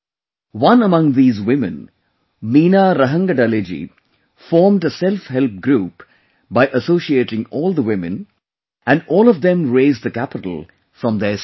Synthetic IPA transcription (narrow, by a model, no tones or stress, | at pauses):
wʌ̃nəmʌ̃ŋðiːzwɪmɨ̃n | miːnaɾəɦə̃ŋɡəɖaled͡ʒḭ | fɔːɾmɖəsɛlfhɛlp̚ɡɾuːp | baɪʔəsoːʃieːʈɪ̃ŋɔːlˠd̪əwɪmɨ̰̃n | æ̃nɖɔːlɔvd̪ɛ̃mɾeːzdd̪əkæpɪʈəl̩ | fɾʌ̃md̪əs